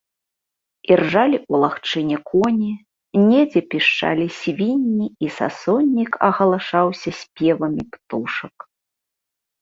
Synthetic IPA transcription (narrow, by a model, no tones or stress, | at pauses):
irʐalʲiulˠaxt͡ʂɨnʲɛkʰɔnʲi | nʲɛd͡zʲɛpʲiʂt͡ʂa̰lʲisʲvʲinʲːiisa̰sɔnʲːikɐɣɐlˠaʂawsʲɐsʲpʲjɛvɐmʲipt̪uʂɐk